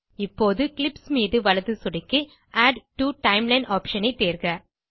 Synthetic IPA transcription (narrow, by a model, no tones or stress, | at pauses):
ɪpːoːðɯkɪlɪpsmiːðɯʋɐlɐðɯsʊɽɪkːɯ | ʔaːɖʈuʈɐɪmlɐɪɳɖaːpʃɐnɐɪt̪ːeːɾɣɐ